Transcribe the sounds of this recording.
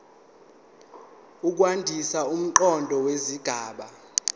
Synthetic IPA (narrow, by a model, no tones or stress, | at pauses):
uk̬wandʱisaum̩ǃɔndʱɔweziɡ̥ʱaːɓa